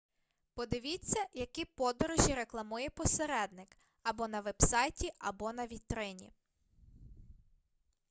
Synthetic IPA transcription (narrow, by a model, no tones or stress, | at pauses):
pɔd̪ɪʋʲit͡sʲːɐjɐkipɔd̪ɔɾɔʒʲiɾeklˠɐmujɛpɔseɾɛd̪nɪk | ɐbɔnɐʋɛbsɑjtʲiɐbɔnɐʋʲit̪ɾɪnʲḭ